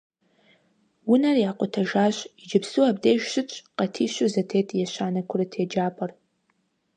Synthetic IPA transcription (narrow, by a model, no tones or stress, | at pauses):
wʊnarijaqʷʼʊtʰaʒaːɕʷid͡ʒɪpʰsuabdeːʒʃɨt͡ʃʷʼqʼɐtʰiːʃʷʊzɐtʰeːtʼjaʃʷaːnɐkʷʰʊrɨtʰed͡ʒaːpʼɐr